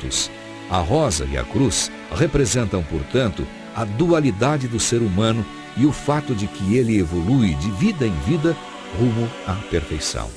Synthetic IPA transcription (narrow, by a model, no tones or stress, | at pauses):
ʊ̰s | ɐ̰ɦɔzɐ̰ɪ̰ɐ̰kɾus | ʁepɾezẽnt̪ɐ̃w̃po̰ɾt̪ɐ̃nt̪ʊ̰ | ɐd̪ualid̪ad͡ʒɪd̪ʊseɾumɐ̃nʊ | ɪʊfat̪ʊd͡ʒɪkɪelɪevoluɪd͡ʒɪvid̪ɐẽj̃vid̪ɐ | ʁũmʊɐpeɾfejsɐ̰̃w̃